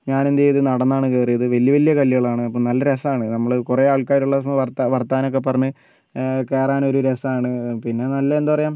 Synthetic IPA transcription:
ɲaːnend̪eiðɨnɐɽɐnːaːɳɨkeːrɨjɐðɨʋɐlijɐʋɐlːjɐkɐljɐɣɐɭaːɳɨɐpːoːɭnɐlːɐɾesɐaːɳɨnɐmːɐɭkureaːɭkaːɾiuɭːɐsɐmɐʋɐrt̪ɐʋɐrt̪ːaːno̞k̬ːe̞p̬ːɐrɐɲːɨ | keːraːno̞ɾuɾesɐaːɳɨpinːe̞nɐlːɐend̪upɐrɐjaːm

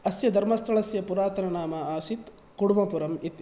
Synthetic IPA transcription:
ɐsjɐd̪ʱɐɾmɐst̪ʰɐɭɐsjɐpuɾaːt̪ɐɾɐɳaːmɐaːsit̪ | kuɽumɐpuɾɐmit̪

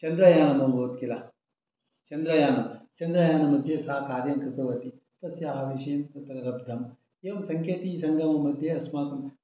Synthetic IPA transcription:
t͡ʃɐnd̪ɾɐjaːnɐnɐboːt̪kila̰ː | t͡ʃɐnd̪ɾɐjaːnɐt͡ʃɐnd̪ɾɐjaːnɐmɐd̪ʱjesaːkaːɾjɐnk̪ɾɐt̪ɐʋɐt̪i | t̪ɐsjaɦɐʋiʃiːmt̪ɐt̪ɐɾɐɾɐb̚d̪ʱɐm | jemsɐŋkeːt̪iːsɐŋɡɐmɐmɐd̪ʱjeɐsmaːt̪ɐm

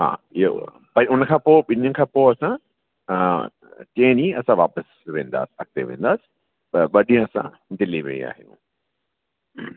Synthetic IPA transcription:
ɦa̰ːɪɦo̰ | pɐĩʊnəkʰãːpoɪɓɪɲəkʰãːpoːɐsã | t͡ɕẽɲiɐsãʋa̰ːpəs | ʋẽːn̆d̪a̰ːsɪ̥ɐk̚t̪ḛʋḛ̃ːn̆d̪aːsɪ̥ | pɐɾɓɐɗĩjə̃ɐsã̰ | d̪ɪliʋḛḭa̰ːɦijṵ̃

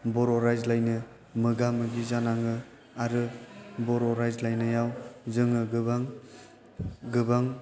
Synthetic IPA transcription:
bɔɾɔɾajzlajnɯ | mɯɡamɯɡizanaŋɯ | aɾɯbɔɾɔɾajzlajnɯjawzɯŋɯɡɯba | ɡɯbaŋ

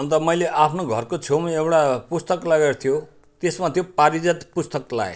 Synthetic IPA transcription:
ʌnt̪ʌmʌjleʔapʰnoɡʱʌrkot͡sʰemaewʈapust̪ʌklaɡert̪ʰijo | t̪esmat̪ʰijopaɾid͡zʌt̪pust̪ʌkla̰e

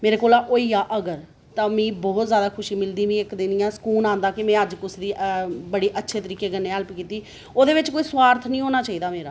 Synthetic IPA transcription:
meːɾeːkoːlaːʔoːiːjaːʔəɡəɾ | t̪ãːmĩːbɔːt̪zjaːd̪aːkʰʊʃiːmɪld̪iːʋĩːɪkd̪ɪniːãːsə̥kuːnãːnd̪aːkɪmɛ̃ːəd͡ʒkʊsd̪iːbəɽiːʔətːʃʰeːt̪əɾiːkeːɡənːeːɦəlpkiːt̪iː | oːd̪eːʋɪt͡ʃkoːiːsʋaːɾt̪ʰnĩːɦoːnaːt͡ʃaːiːd̪aːmeːɾaː

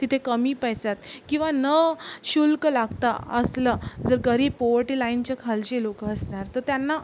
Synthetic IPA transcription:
t̪it̪ʰekəmiːpəjsat̪kĩw̃ʋanəɕulkəlaɡt̪a̰əsləd͡zəɾɡəɾiːpoʋəɾʈiːlaint͡ɕakʰalt͡ɕelokəəsɳaɾt̪əɾt̪janːa

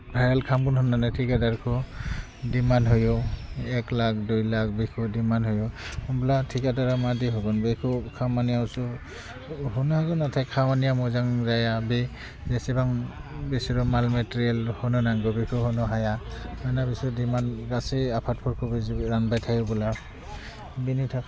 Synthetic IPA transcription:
bʱajɹalkʰambunɦɔnːanɛtʰikadaɹkʰɔ | dimanɦɔjɔɛklak̚ʰdujlakʰbikʰudimanɦɔjɔhɔnbɔlatʰikadaɹamadiɦɔɡɔnbekʰukʰamanijaʊsu | ɦunhaɡɔnatʰakʰamanijamɔzaŋzajabe | zesɛbaŋbesiɾɔmalmetɹiɛlhɔnɔnaŋɡɔbikʰuɦɔnɔɦajamanabisɔdimanɡaseapʰat̚pʰɔɹkʰɔbezɹanbajtʰajɔbula | binitʰakʰ

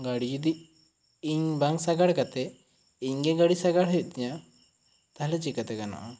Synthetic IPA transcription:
ɡaɽid͡ʒud̪iʔ | iɲbaŋsaɡaɽkat̪ɛ | iɲɡɛɡaɽisaɡaɽɦɛwit̪̚t̪iɲa | t̪aɦlɛt͡ʃikat̪ɛkana̰ʔa

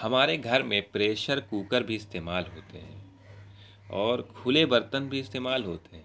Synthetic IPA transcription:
hɐmaːɾeɡʱɐɾmẽpɾeːʃəɾkuːkəɾbʱiɪst̪eːmaːlɦoːt̪ḛɦɛ̰̃ː | ɔːɾkʰʊlebɐɾt̪ənbʱiɪst̪eːmaːlɦoːt̪eɦɛ̃ː

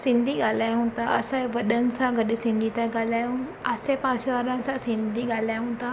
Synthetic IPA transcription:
sind̪ʱiɡʱaljaɦũt̪aʔəsajʋəɗənt͡saɡəɗisind̪ʱit̪aɡʱaljaũ | əsepasəʋəɾãnt͡sasind̪ʱiɡʱaljaɦũt̪a

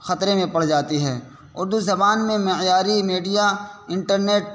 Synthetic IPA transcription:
xɐt̪ɾemẽpɐɽ̤d͡ʒaːt̪iɦɛː | ʊɾd̪uzɐbaːnmẽmejaːɾimiːɖijaɪ̃ɳʈəɾneːʈ̚

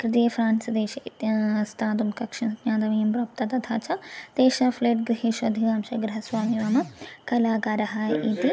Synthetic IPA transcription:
kɾɪt̪̬eːfʰɾaːnsɐd̪eːʃɐit̪st̪ʰaːd̪umkɐkʂɐnɐt̪naːd̪ɐʋiːmpɾɐːp̚t̪ɐt̪ɐt̪ʰaːt͡ʃʰɐd̪eːʃɐfleːʈ̚ɡɾɪɦiʃʋɐd̪ʱiɡaːmʃɐɡɾɪɦɐswaːmiʋɐmɐkɐlaːɡaːɾɐɦaːjʔit̪i

